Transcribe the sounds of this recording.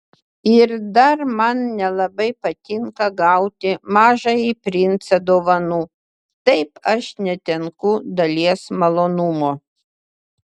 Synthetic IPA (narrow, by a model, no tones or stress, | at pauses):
ɪɾd̪ɐɾmɐnnʲɛlˠɐbɐɪpɐt̪ʲɪŋkɐɡɐʊt̪ʲɪmɑːʒɐipʲɾʲɪnt̪sɐd̪oːʋɐnuː | t̪ɐɪpɐʃnʲɛt̪ʲɛŋkʊd̪ɐlʲiɛsmɐlˠoːnʊmoː